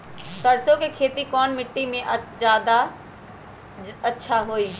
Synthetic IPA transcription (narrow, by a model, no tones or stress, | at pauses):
sɐɾsõkekʰeːt̪ikɔːnmɪʈːimẽʔd͡ʒjaːd̪a | ɐtːʃʰaɦoːiː